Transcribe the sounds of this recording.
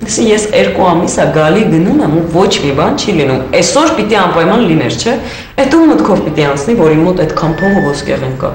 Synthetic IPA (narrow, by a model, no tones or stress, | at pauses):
sijɛsɛɾkuɑmisəɡɑliɡənumɛmuvɔt͡ʃʰmibɑnt͡ʃʰilinumɛsɔɾpit̪iɑmpɑjmɑnlinɛɾt͡ʃʰɛ | ɛt̪umːət̪kʰɔvpit̪iɑnt͡sʰnivɔɾimɔt̪ɛt̪kʰɑmpʰɔvəvɔskɛ̰ʁɛnkɑ̰